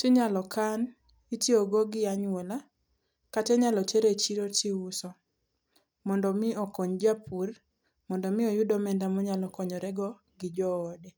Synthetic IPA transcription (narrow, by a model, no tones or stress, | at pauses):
tɪɲalɔkan | itioɡɔɡɪaɲwɔla | katɛɲalɔteɾet͡ʃiɾotɪusɔ | mɔndɔmɪɔkɔɲd͡ʒapur | mɔndɔmɪɔjʊdɔmɛndamɔɲalɔkɔɲɔɾɛɡɔ | ɡɪd͡ʒɔːdɛ